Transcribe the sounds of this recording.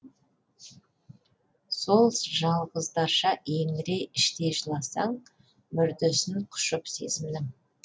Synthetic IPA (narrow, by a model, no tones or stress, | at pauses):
so̞lˠʒɑlˠʁəzd̪ɑʃɑʔeŋɾe̞ɪʃt̪e̞ʒəlˠɑsɑɴ | mʏɾd̪ɪsɪɴqʰʊ̥ʃəpse̞̰zɪmnɪ